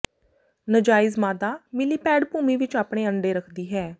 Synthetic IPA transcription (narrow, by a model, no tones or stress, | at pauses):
nəd͡ʒaːɪzmaːd̪aːmɪliːpɛːɖpuːmiːʋɪt͡ʃaːpɽ̃eːəɳɖeːɾəkʰd̪iːɦɛː